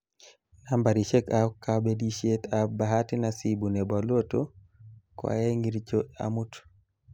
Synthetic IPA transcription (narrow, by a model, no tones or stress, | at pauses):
nambaɾiʃekakːabediʃet̪abaɦatinasibunɛbaloto | kwa̰jeŋɡiɾt͡ʃoa̰mut